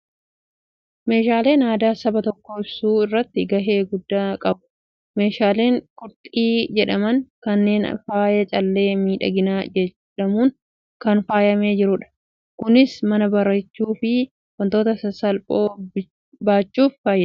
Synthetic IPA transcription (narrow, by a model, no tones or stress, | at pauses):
me̞ːʃaːle̞ːnaːd̪aːsɐbɐt̪ɔkːoɪbsuːɪrːɐt̪ːɪɡɐɦe̞ːɡʊd̪ːaːkʼɐbʊ̥ | me̞ːʃaːle̞ːŋkʼʊɾt̪ʼiːd͡ʒɛᶑɐmɐŋkɐnːe̞ːnɐ̰faːjɛt͡ʃʼɐlːe̞ːmiːᶑɐ̰ɡɪnaːd͡ʒɛt͡ʃː | ᶑɐmuːn | kɐnfaːjɐme̞ːd͡ʒɪɾʊᶑɐ̥ | kʊnɪsmɐnɐbɐɾɐt͡ʃːuːfɪ | wɐnt̪o̞ːt̪ɐsɐsɐlpʼo̞ː | baːt͡ʃːuːffaːjːɛ